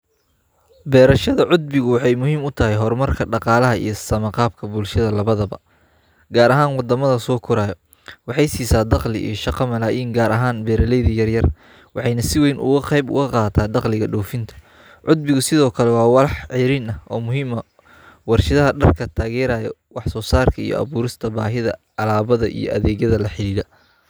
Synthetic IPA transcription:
bɛːɾɐʃɐðɐʕʊd̪̚bɪɣʊwɑħɑjmʊɦiːmʊt̪ʰɐɦɛjɦɔrmɐrkʰɐɖɑqɑːlɐɦɐʔḭjɞsɐmɐqɑːb̚kʰɐbʊlʃɐðɐlɐβɐðɐbɐ̰ | ɡaːɾɐɦaːnwɑd̪ɐmɐðɐsɔːkʰʊɾaːjɔ | wɑħɑjsiːsaːd̪ɑqlɪ̰ʔḭjɔʃɑqɑmɐlaːjiːŋɡaːɾʔɐɦaːnbɛːɾɐlɛjðɐjɐrjɐr | wɑħɑjnɐsɪwɛjnʔʊ̰ɣʊqɑjbʊ̰ɣɐqɑːt̪ʰaːd̪ɑqlɪɣɐɖɔːfɪnt̪ʰɐ̥ | ʕʊd̪̚bɪɣʊsɪðɔːkʰɐlɛwɑːwɑlɑħʕɪɾiːnɐʔɔːmʊɦiːmɐ | wɑrʃɪðɐɦɐɖɐrkʰɐt̪ʰaːɣɛːɾaːjɔwɑħsɔːsaːrkʰɐḭjɔ̰ɐ̰βuːɾɪst̪ʰɐbaːɦɪðɐ | ɑlaːβɐðɐʔḭjɔ̰ʔɐ̰ðɛːɣjɐðɐlɐħɪliːðɐ

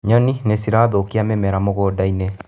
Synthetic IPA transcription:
ɲɔninesiɾaːðokiamemɛɾamoɣɔdaine

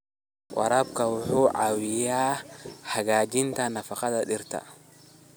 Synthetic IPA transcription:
wʔɑ̰ɾaːbkʰɐwʊħuːʕawɪjaːhɐɣaːd͡ʒɪnt̪ʰɐnɐfɐqɑðɐɗɪrt̪ʰɐ̰

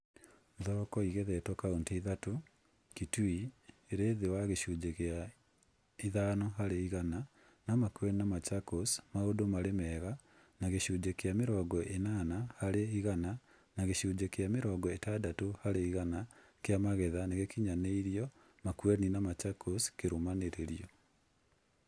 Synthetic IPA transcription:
ðɔɾɔkɔiɣɛðɛtwɔkaonteiðato | kitui | eɾeːðewaɣeɕud͡ʒekea | iðaːnɔɦaɾeiɣana | namakuɛninamat͡ʃakosmaodomaɾemɛɣa | naɣeʃuːd͡ʒekeameɾɔːɡɔʔenanahaɾeiɣana | naɣeɕuːd͡ʒekeameɾɔːɡɔetadatohaɾeiɣana | keamaɣɛðaneɣekiɲaneiɾiɔ | makwɛninamat͡ʃakʰoskeɾomaneɾeɾiɔ

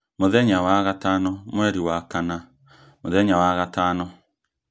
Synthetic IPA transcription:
moðɛɲawaɣatanɔmwɛɾiwakana | moðɛɲawaɣataːnɔ

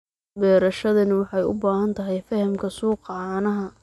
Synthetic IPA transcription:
bɛːɾɐʃɐðɐnɪwɑħɑjʊ̰baːhɐnt̪ʰɐɦɛjfɐhɐmkʰɐsuːqɑʕnɐɦɐ

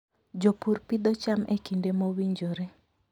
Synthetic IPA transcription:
d͡ʒopuɾpid̪ɔt͡ʃamekindemowiɲd͡ʒoɾe

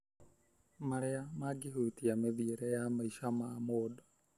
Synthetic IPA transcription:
maɾɛamaɡiɦutiameðieɾɛjamaiʃamaːmoːdɔ̥

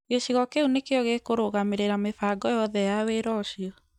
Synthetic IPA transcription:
ɣeɕiɣɔkeunekeɔɣekoɾoɣameɾeɾamefaɡɔjɔðɛjaweɾɔɕiɔ

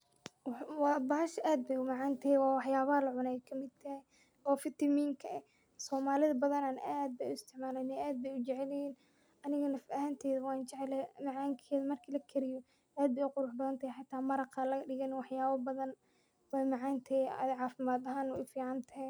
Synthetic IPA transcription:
wwɑbɐhɐʃʔaːd̪̚bɛjʊmɑʕɑːnt̪ʰɐhɛwɑːwɑħjaːβɐhɐlɐʕʊnɛjkʰɐmɪd̪̚t̪ʰɐhɛ | ʔɔːfɪt̪ʰɐmiːŋkʰɐʔɛ | sɔːmaːlɪðɐbɐðɐnaːnaːd̪̚bɛjʊɪst̪ʰɪʕmaːlɛjnɛaːd̪̚bɛjʊt͡ʃɛʕɛlɛjiːn | ʔɐnɪɣɐnɐfɐhant̪ʰɛːðɐwɑːnt͡ʃɛʕɛlɛmɐʕaːŋkʰɛːðɐmɐrkʰiːlɐkʰɛɾɪjɔ | ʔaːd̪̚bɛjʊqʊɾʊːħbɐðɐnt̪ʰɐɛjħɑt̪ʰːaːmɐɾɐqɐːlɐɐɖɪɣɛnwɑħjaːβɐbɐðɐn | wɛjmɑʕaːnt̪ʰɐ̰ðʕɑːfɪmaːd̪ɐɦaːnɔ̰jfiːʕɑnt̪ʰɐ

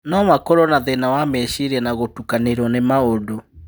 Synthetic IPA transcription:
nɔwakɔɾɔnaðenawamɛʃiɾɛnaɣotukaneɾwɔnemaodo

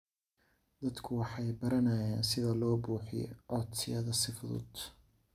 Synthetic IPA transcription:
d̪ɐd̪kʰʊwɑħɑjbɐɾɐnɐjaːnsɪðɐlɔːbuːħɪ̰j̰ɔt̪sɪjɐðɐsɪfʊðʊ̰d̪̥

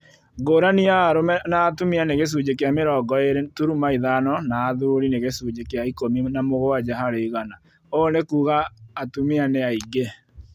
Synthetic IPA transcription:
ɡoːɾaniaɾomɛnaːtumeaneɣes̬ud͡ʒekeameɾɔɡɔeɾetuɾumaiðanɔnaːðuɾineɣesud͡ʒekeaikominamoɣoad͡ʒaɦaɾeiɣana | onekuːɣaːtumeaneaiɡe

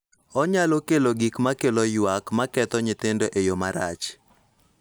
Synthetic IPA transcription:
ɔɲalokeloɡikmakelojwakmakɛt̪ɔɲɪt̪ɪndoʔejomaɾa̰t͡ʃ

